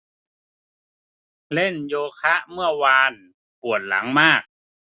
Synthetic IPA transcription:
le˧˥˨njoː˧kʰa˦˥ʔmɯ˥˩əwaː˧n | pu˨˩ən̚la̰˩˦ŋmaː˥˩k̚

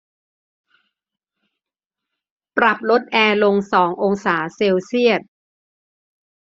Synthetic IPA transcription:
pɾa˨˩p̚lo˦˥t̪̚ʔɛː˧lo˧ŋsɔː˩˦ŋʔo˧ŋsaː˩˦seː˧wsi˥˩ət̪̚

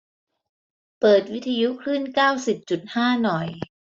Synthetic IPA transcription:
pɤː˨˩t̪̚wi˦˥t̪ʰːa˧ju˦˥kʰlɾɯː˥˩nkaː˥˩wsi˨˩p̚t͡ɕu˨˩t̪̚haː˥˩nɔ˨˩j

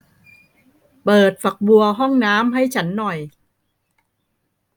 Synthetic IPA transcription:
pɤː˨˩t̪̚fa˨˩k̚bu˧ɐɦɔ˥˩ŋnaː˦˥mɦa˥˩jt͡ɕʰa˦˥nːɔ˨˩j

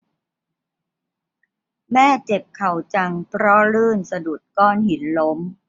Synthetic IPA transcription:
mɛː˥˩t͡ɕe˨˩p̚kʰa˨˩wt͡ɕa˧ŋpʰɾɔ˦˥lɯː˥˩nsa˧du˨˩t̪̚kɔː˥˩nhi˩˦nlo˦˥m

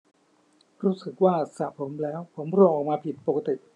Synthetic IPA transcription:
ɾuː˦˥sɯ˨˩k̚waː˥˩sa˨˩pʰo˩˦mlɛː˦˥wpʰo˩˦mɾoː˧˩ʔɔː˨˩k̚maː˧pʰi˨˩t̪̚po˨˩ka˧t̪i˨˩ʔ

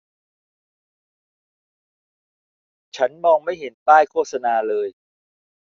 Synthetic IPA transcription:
t͡ɕʰa˦˥nmɔː˧ŋma˥˩jɦe˩˦nt̪aː˥˩jkʰoː˥˩t̪̚sa˧naː˧lɤː˧j

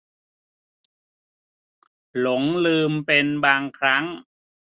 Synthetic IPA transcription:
lo˩˦ŋlɯː˧mpe˧nbaː˧ŋkʰɾa˦˥ŋ

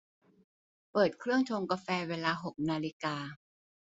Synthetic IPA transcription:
pɤː˨˩t̪̚kʰɾɯ˥˩əŋt͡ɕʰoː˧ŋkaː˧fɛː˧weː˧laː˧ɦo˨˩k̚naː˧li˦kaː˧

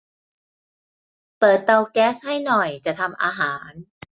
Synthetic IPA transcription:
pɤː˨˩t̪̚ːa˧wkɛː˦˥sha˥˩jnɔ˨˩jt͡ɕa˨˩ʔt̪ʰa˧mʔa̰ː˧ɦaː˩˦n

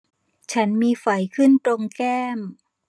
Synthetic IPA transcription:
t͡ɕʰa˦˥nmiː˧fa˩˦jkʰɯ˥˩nt̪ɾo˧ŋkɛː˥˩m

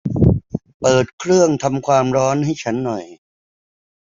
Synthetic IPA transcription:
pɤː˨˩t̪̚kʰɾɯ˥˩əŋt̪ʰa˧mkʰwaː˧mɾɔː˦˥nɦa˥˩jt͡ɕʰa˦˥nːɔ˨˩j

